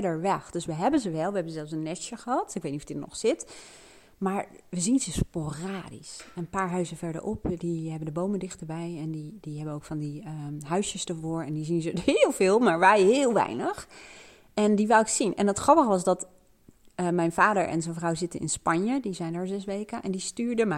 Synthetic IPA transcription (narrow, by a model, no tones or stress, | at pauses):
dəɹʋɛχd̥øsʋəɦɛbənzəʋɛlˠʋəɦɛbənzɛlˠfsənːɛsəχəɦɑtɪk̚ʋejtnitɔfdɪnɔ̰χsɪt | maːɹ | ʋəzinzəsporaːdḭsnəpaːɹɦœɥzəvɛɹdə̰ɹʔɔpdiɦɛbəndəbowməndɪχtəɹbɛjɛndidiɦɛbənowkfɑndiəɦœɥsjəsdəɹvʊːɹɛndizinzəɪːlˠvɪːlˠmaːɹʋɛjɦɪːlˠʋɛ̰jnəχ | ɛndiʋalˠɪksinʔɛ̰nətχrɑpəχəʋɑsdɑt | mɛjnvaːdəɹʔɛ̰nzɛnvrɑwzɪtənʔɪ̰nspɑnjədizɛjndəɹzɛsʋejkənʔɛ̰ndistyːɹdəm